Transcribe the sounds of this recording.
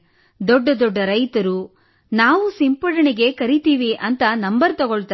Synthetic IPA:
d̪ɔɖːɐd̪ɔɖːɐɾɐjt̪ɐɾu | naːʋusimpɐɽɐɳiɡe̞kɐɾit̪iːʋiʔɐnt̪ɐnɐmbɐɾt̪ɐɡoɭt̪ɐ

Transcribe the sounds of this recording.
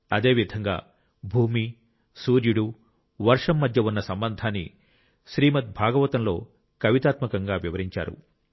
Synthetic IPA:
ɐd̪e̞ːʋid̪ʱɐŋɡa̰ː | bʱuːmi | suːɾjuɽu | ʋɐɾʂɐmːɐd̪ʱjɐunːɐsɐmbɐnd̪ʱaːnːḭ | ʃɾiːmɐt̪̚bʱaːɡɐʋɐt̪ɐmlo̞ː | kɐʋit̪aːt̪mɐkɐŋɡaːʋiʋɐɾiɲt͡ʃa̰ːɾṵ

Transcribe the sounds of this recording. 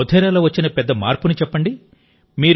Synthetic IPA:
ɔd̪ʰʱɛːɾaːloːʋɐt͡ʃːinɐpɛd̪ːɐma̰ːɾpunit͡ʃɛpːɐɳɖi | miːɾ

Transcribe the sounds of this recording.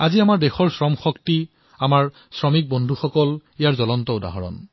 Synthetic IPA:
aziamaɹdexɔɹsɹɔmxɔkti | amaɹ | sɹɔmik̚bɔndʱuxɔkɔlijaɹzɔlɔntɔʊda̰ɦɔ̰ɹɔ̰n

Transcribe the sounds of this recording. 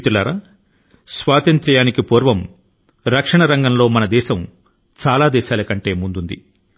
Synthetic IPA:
t̪ulaːɾaː | sʋaːt̪ɐnt̪ɾɐjaːnikipoːɾʋɐm | ɾɐkʂɐɳɐɾɐŋɡɐmlo̞ːmɐnɐd̪ɛːʃɐm | t͡ʃaːlaːd̪ɛːʃaːlɐkɐɳʈe̞ːmund̪und̪ḭ

